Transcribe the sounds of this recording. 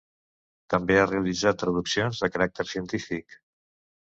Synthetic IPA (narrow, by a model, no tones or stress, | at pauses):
t̪əmbeareəlid͡zat̪ːɾəðuksionzðəkəɾak̚t̪əɾsiənt̪ifik